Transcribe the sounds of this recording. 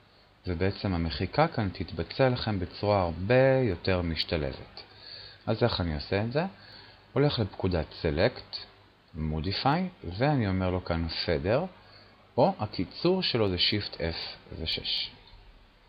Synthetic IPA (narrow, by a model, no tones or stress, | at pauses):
vebeet͡semhame̞χikakant̪it̪bat͡sealaχe̞mbet͡suʁaaʁbe̞jo̞te̞ʁmiʃtalḛvḛtalzeχanioseːtze̞ | o̞le̞χlepkudatsele̞kt | modifajveanio̞meʁlo̞kanfe̞deʁ | o̞hakit͡suʁʃelo̞zeʃift̪ʰefveʃḛʃ